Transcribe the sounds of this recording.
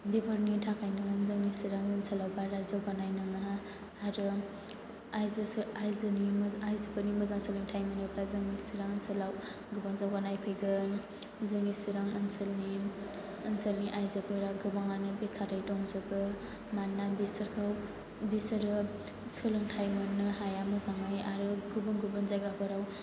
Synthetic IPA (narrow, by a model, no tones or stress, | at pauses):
bibʰɔɾnitʰakʰajnɯnzɯŋisiɾaŋɯnsʰalawbaɾazawbanajnɯŋa | aɾɯ | ajzajzɯniajzapʰɯnimɯzaŋsɯlɯŋtʰajmanɯplazɯŋisiɾaŋɯnsɯlaw | ɡɯbaŋzawanajpʰɯjɡɯ | zɯŋisiɾaŋɐnsɯlniː | nselniʔajzapʰɯɾaɡɯbaŋanɯbikʰaɾajtɔŋzɯɡɯ | manːabisɐɾkʰaw | bisɐɾɯ | sɯlɯŋtʰajmɯnːɯhajamɯzaŋaja̰ɾɯɡubɯŋɡubɯnzajɡabʰɯɾaw